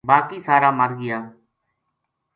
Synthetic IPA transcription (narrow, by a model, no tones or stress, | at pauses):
baːkiːsaːɾaːməɾɡɪjaː